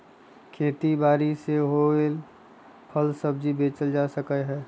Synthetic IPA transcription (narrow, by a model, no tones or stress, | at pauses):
kʰeːt̪ibaːɾiseɦoel | pʰəlsəbd͡ʒibeːt͡ʃəld͡ʒasəkəɦɛː